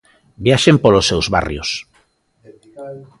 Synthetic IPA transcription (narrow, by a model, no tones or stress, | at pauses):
bjaʃempolosːewzβa̰rjo̰s